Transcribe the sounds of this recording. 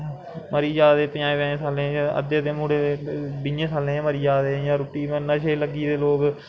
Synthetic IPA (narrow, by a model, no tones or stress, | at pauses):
məɾiːd͡ʒaːd̪eːpɪjãːẽːʋɛ̃ːẽːsaːlẽːãːʔə̰d̪eːəd̪eːmuːɽeːbɪjẽːsaːlẽːməɾiːd͡ʒaːd̪eːjãːɾuːʈiːmənəʃeːləɡiːd̪eːloːk